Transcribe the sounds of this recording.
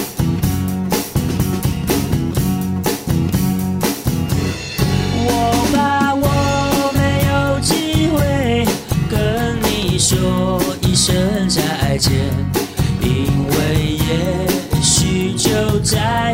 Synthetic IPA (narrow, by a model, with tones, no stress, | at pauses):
wɔ˨˩pa˨˧wɔ˨˦me˧˥ɪjo˨˩ʊt͡ɕi˥xwe˥ɪkə˦nni˨˩˨ʂɔ˧˥i˥˧ʂə˦nt͡sa˧ɪa˧ɪt͡ɕjɛ˧˥ni˦˧ŋwe˥˧ɪjɛ˨˩ɕy˧t͡ɕjo˥˧ʊt͡sa˧